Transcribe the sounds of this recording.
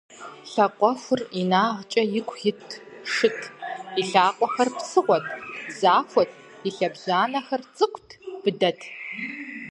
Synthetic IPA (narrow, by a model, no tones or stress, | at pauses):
ɬɐqʷʼɔxʷʊrinaːʁt͡ʃʼɐjɪkʷʰʼːɪtʰʂɨtʰiɬaːqʷʼɔxɐrpsɨʁʷɔtʰzaːxʷɔtʰ | iɬɐbɮaːnɐxɐrt͡sʼɨkʷʰʼtʰb̥ɨdɐtʰ